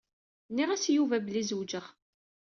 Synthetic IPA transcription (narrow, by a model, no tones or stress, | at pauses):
nːiʁæsjuvæbəlizwd͡ʒəʁ